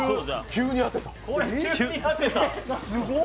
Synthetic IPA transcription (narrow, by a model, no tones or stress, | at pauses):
kʲʰɨːɲ̟iat̪et̪ḁ | at̪et̪asɨɡo